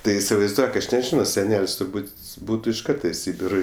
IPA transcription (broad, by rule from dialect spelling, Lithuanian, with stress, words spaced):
ˈtɐɪ ɪsʲɪʋɐɪzˈduɔk ˈɐʃ nʲɛˈʒʲɪnoː sʲɛˈnʲɛlʲsʲ tʊrˈbuːtʲ ˈbuːtʊ ɪʃ ˈkɐrtɐ ɪ ˈsʲiːbʲɪroː